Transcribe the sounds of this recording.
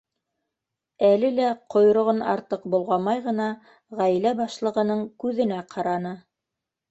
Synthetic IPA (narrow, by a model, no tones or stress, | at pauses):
ælɘlæqʰŏj̆ɾŏʁonɑ̰ɾt̪ɤq̚bulˠʁɑmɑjʁɤ̆nɑ | ʁæjlæbɑʃlˠɤ̆ʁɤ̆nɤɴkʉðɘ̆næqʰɑɾɑnɤ